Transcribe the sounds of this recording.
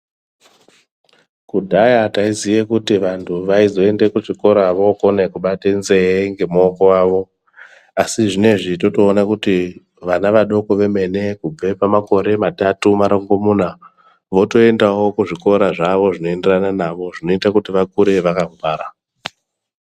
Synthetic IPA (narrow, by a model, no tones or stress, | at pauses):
kudʱajataizijekutiʋantʰuʋaizo̞e̞ndekuʐiko̞ɾaʋo̞konekuɓatenze̞eŋɡe̞moko̞waːʋo̞ | asiʐine̞ʐito̞to̞ːnakuti | ʋanaʋaɗo̞ko̞ʋe̞me̞ne̞kub͡ve̞pamako̞ɾe̞matatumaɾoŋɡomuːna | ʋoto̞e̞ndawo̞kuʐiko̞ɾaʐaʋo̞ʐino̞ende̞rananaʋo̞ʐino̞itakutiʋakuɾe̞ʋakaɱvaːɾa